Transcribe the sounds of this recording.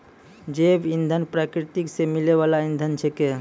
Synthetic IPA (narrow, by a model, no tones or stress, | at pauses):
d͡ʒebind̪ʱənpɾakɾit̪iksemileβalaind̪ʱənt͡ʃʰɛke